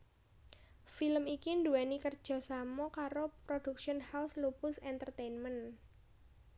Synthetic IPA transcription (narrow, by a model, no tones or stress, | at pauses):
filəmikinduɛnikərd̥ʒ̥ɔ̤samɔkaɾopɾod̥ukʃənhawslupʊsɛnt̪ərt̪ejnmən